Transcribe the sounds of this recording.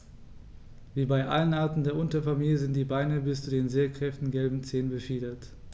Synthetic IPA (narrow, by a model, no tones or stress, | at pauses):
viːbaɪʔa̰lənʔaɐtn̩deːɐʔʊntɐfamiːljəzɪntd̥iːbaɪnəbɪst͡sudeːnzeːɐkʁ̥ɛftn̩ɡɛlbm̩t͡seːnbəfiːdɐt